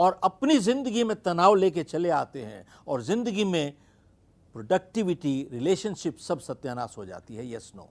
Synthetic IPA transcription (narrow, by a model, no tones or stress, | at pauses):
ɔːɾɐpnizɪ̃nd̪əɡimẽt̪ɐnaːʋleːk̬et͡ʃɐleaːt̪eɦɛ̰̃ | ɔːɾzɪ̃nd̪əɡimẽ | pɾoːɖɐk̚ʈɪʋɪʈiɾɪleːʃənʃɪpsɐbsɐt̪jaːnaːsɦod͡ʒa̰ːt̪iɦɛjɛsno̰ː